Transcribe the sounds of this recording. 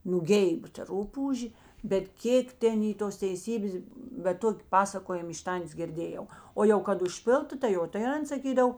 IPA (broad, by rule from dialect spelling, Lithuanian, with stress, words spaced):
nuːˈɡʲɛɪp tɐ ˈrʊpuːʒʲeː bʲɛt ˈkʲeːk ˈtʲɛn ˈiː toːs tʲɛɪˈsʲiːbʲeːs bʲɛt ˈtoːkʲɪ ˈpɑːsɐkoːjɪm ɪʃ ˈtɐnʲtʲeːs ɡʲɪrʲˈdʲeːjɛʊ ˈoː jɛʊ kɐt ʊʃʲˈpʲɪlˠtʊ tɐɪ ˈjoː tɐɪ ˈɐn sɐˈkʲiːdɐw